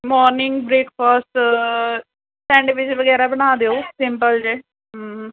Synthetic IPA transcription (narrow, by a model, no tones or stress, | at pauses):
mɔːɾnɪ̃ŋɡbɾeːkʰfɔːsʈ | sɛ̃ɳɖʋɪt͡ʃʋəɡɛːɾabəñaːd̪eoːsɪmpəld͡ʒeː | ɦː